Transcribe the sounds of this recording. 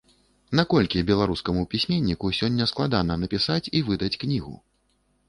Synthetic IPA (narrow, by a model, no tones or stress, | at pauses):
nakɔlʲkʲibʲɛlˠaɾuskɐmupʲisʲmʲenʲːikusʲɔnʲːɐsklˠad̪anɐnɐpʲisat͡sʲivɨd̪ɐt͡sʲknʲiɣṵ